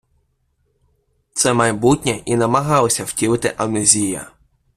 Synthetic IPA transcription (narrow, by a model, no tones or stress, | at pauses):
t̪sɛmɐjbutʲnʲɛʔinɐmɐɦɑlˠɔsʲɐw̥tʲilɪt̪ɪʔɐnezʲijɐ̰